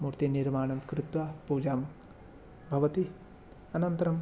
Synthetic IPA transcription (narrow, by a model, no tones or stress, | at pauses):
muɾt̪iniɾmaːɳɐmkɾɪt̪ʋɐpuːd͡ʒaːm | bʱɐʋɐt̪i | ɐnɐnt̪ɐɾɐm